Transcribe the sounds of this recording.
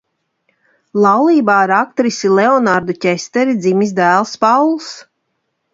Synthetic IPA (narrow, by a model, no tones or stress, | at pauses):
lˠɑwlˠiːbaːɾak̚t̪ɾisilɛɔnaɾd̪ucʲɛst̪ɛɾid̪zimizd̪æːlˠspawlˠs